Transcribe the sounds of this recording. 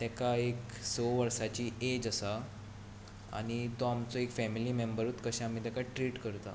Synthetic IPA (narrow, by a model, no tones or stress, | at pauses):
t̪ɛkaek | soʋəɾsat͡ɕiːed͡ʑəsa | a̰ɽ̃it̪oamt͡soekfɛmiliːmembəɾut̪kəɕɛ̃am̤it̪ɛkaʈɾiːʈkəɾt̪a̰